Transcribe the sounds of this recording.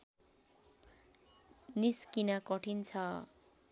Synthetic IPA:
niskinakʌʈʰint͡sʰʌ

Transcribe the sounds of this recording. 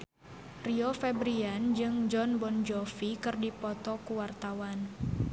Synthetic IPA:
riɔfɛbɾiand͡ʒɨŋd͡ʒɔnbɔnd͡ʒɔfikɨrdipɔt̪ɔkuwart̪awan

